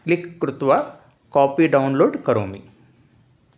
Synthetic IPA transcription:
klikːɾut̪ʋa | kaːpiːɖɐunloːɖkɐɾo̰ːmḭ

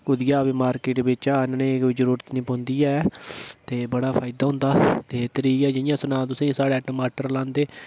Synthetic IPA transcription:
ʊd̪ɪjaːbimaːɾkeːʈbɪt͡ʃaːnnẽːkiːzəɾuːɾət̪nĩːpõːnd̪iːɛːt̪eːbəɽaːpʰaːɪd̪aːɦʊ̃ːnd̪aːt̪eːt̪əɾiːkɛːd͡ʒɪnɪjãːsənãːt̪ʊsĩːsaːɽeːʈːmaːʈəɾlãːnd̪eː

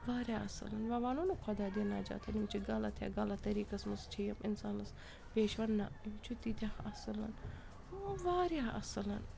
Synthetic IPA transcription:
ʋaːɾjaːʔɐsɐ̰lɐnʋɐʋaːnunukʰɐd̪aːd̪inaːd͡ʒa̰ːt̪ʰɐnimt͡ʃʰiɡɐlɐt̪ʰja̰ːɡɐlɐt̪ɐɾiːkɐsmɐst͡ʃʰijɐmɪnsaːnɐs | peːʃʋɐnːamt͡ʃʰut̪it̪ʰaːɐsɨlɐ̰n | ʋaːɾjaːʔɐsɨlɐn

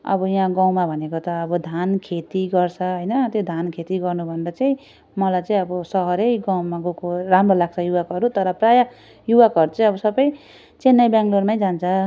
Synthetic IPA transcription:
ʌ̰bʌjãɡãw̃mabʱʌnekot̪ʌːbʌd̪ʱankʰet̪iɡʌrt͡sʰʌɦʌjnʌt̪jod̪ʱankʰet̪iɡʌrnubʱʌneɾʌt͡saĩ | mʌlajt͡saĩʌbʌsʌɦʌɾejɡawmaɡokoramrolaɡ̚t͡sʰʌjuwakʌɾut̪ʌɾʌpraja | juwakʌɾut͡saĩʌbʌsʌbʌj | t͡senːʌjbjãŋɡlormaj̃d͡zant͡sʰʌ

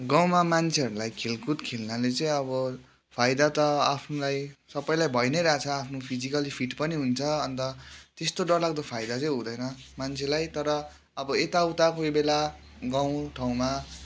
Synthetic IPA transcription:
ɡaw̃mamant͡sʰeʌɾulajkʰelkut̪kʰelnalet͡sʌĩʌbʌ | pʰajd̪at̪ʌapʰnulajsʌpːʌjlajbʱʌjnʌjɾat͡sʰʌapʰnopʰid͡zikʌlipʰiʈpʌniɦunt͡sʰʌʌnt̪ʌt̪est̪oɖʌrlaɡ̚d̪ʌpʰajd̪at͡sʌ̃ĩɦũd̪ʌjnʌ | mant͡sʰelajt̪ʌɾʌ | ʌbʌet̪awt̪akoibela | ɡaw̃ʈʰaw̃ma

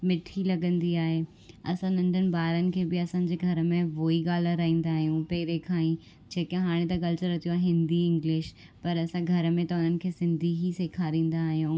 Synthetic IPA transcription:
mɪʈʰilɐɡə̃nd̪iaːɦeː | ɐ̰sãnɐ̃ɳɖʱənɪ̆baːɾənɪ̆kʰeːbɪɐsãɲd͡ʑeːɡʱɐɾmẽʋoːiɠaːl̤ɾaːĩːn̆d̪aːɦijũpɐɦɪɾekʰãːĩ | d͡ʑeːkãɦaːɽ̃ẽt̪ɐk̬ɐlt͡ɕəɾːɐt̪ijuaːɦɦɪ̃nd̪iɪ̃ŋɡlɪʃ | pɐɾɐsãɡʱɐɾmẽt̪ɐʊn̤ənɪ̆kʰeːsɪ̃nd̪ʱiɦiseːkʰaːɾĩːn̆d̪aːɦijũː

